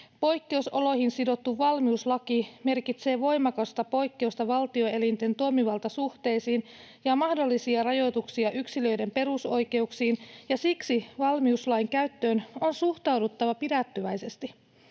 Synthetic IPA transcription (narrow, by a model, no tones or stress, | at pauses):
po̞jkːe̞uso̞lo̞hinsido̞t̪ːuʋɑlmiuslɑkime̞rkit̪se̞ːʋo̞jmɑkɑst̪ɑpo̞jkːe̞ust̪ɑʋɑlt̪io̞e̞lint̪ent̪uomiʋɑlt̪ɑsuht̪e̞jsiːn | jɑmɑhdo̞lːisiɑrɑjo̞t̪uksiɑʔyksilø̞jde̞mpe̞ruso̞jke̞uksiːnjɑsiksiʋɑlmiuslɑiŋkæɥt̪ːø̞ːno̞nsuht̪ɑwdut̪ːɑʋɑpidæt̪ːyʋæjse̞st̪i